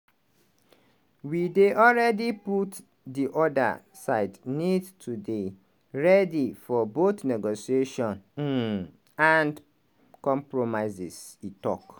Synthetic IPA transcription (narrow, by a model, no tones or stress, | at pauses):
wideʔɔlɹɛdiput | diʔɔda̰ | sa̰ɪdnidtʰude | ɹɛdifɔboθnɛɡosieʃɔ̃n | ãnd | kɔ̃mpɹomaɪzisitɔ̰k